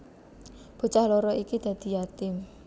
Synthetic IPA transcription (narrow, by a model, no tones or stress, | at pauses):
b̥o̤t͡ʃahlɔɾɔikid̪̥ä̤d̪̥i̤jat̪ɪm